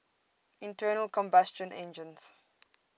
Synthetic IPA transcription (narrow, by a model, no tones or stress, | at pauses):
ĩntʰɜːnəlkɔ̃mbast͡ʃə̃nɛ̃nd͡ʒə̃ns